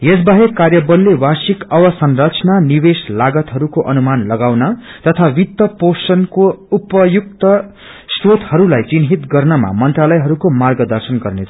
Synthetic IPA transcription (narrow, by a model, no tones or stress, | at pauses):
jesbaɦekarjʌbʌlːewasikʌwʌsʌnrʌt͡sʰnanibeslaɡʌt̪ɦʌɾukoʔʌnumanlʌɡawnʌt̪ʌt̪ʰawit̪ːʌposʌnkoupʌjuk̚t̪ʌ | srot̪hʌɾulajt͡sinɦit̪ɡʌrnʌma̰mʌnt̪ralʌjɦʌɾukomarɡʌd̪ʌrsʌnɡʌrnet͡sʰʌ